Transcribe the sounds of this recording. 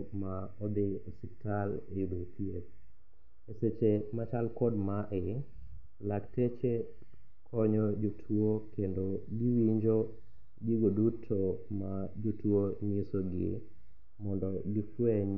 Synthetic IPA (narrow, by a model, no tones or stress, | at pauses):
maɔd̪ɪsɪk̚talejudotʰjiet̚ | eset͡ʃemat͡ʃalkɔdmaʔɪ | laktet͡ʃe | kʰɔɲɔd͡ʒotʰwokendoɡɪwiɲd͡ʒo | ɡiɡodutʰomad͡ʒutwoɲisoɡɪ̰ | mɔndɔɡɪfweɲ